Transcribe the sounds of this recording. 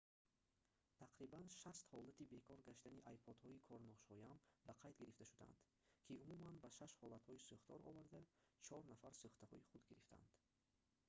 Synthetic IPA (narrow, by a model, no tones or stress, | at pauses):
t̪ʰaqɾibanʃast̪hɔlat̪ibe̞kʰɔɾɡaʃt̪aniʔajpʰɔd̪hɔikʰɔɾnɔʃhɔjambaqʰajd̪ɡiɾift̪aʃud̪a̰nd̪̥ | kʰiumumanbaʃaʃhɔlat̪hɔisuχt̪ʰɔɾɔ̰vaɾd̪at͡ʃʰɔɾnafaɾsuχt̪ahɔiχud̪ɡiɾift̪ʰa̰nd̪̥